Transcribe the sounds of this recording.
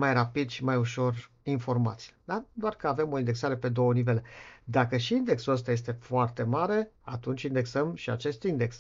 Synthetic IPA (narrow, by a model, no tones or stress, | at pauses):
majrapid̪ʃimajuʃo̞r | info̞rma̰t̪sijed̪ad̪oarkəave̞mo̞ind̪e̞ksaɾe̞pe̞d̪o̞wənive̞led̪akəʃiind̪e̞ksuəst̪aje̞s̬t̪e̞foart̪e̞maɾe̞ | at̪unt͡ʃʲind̪e̞ksəmʃia̰t͡ʃe̞st̪ind̪e̞ks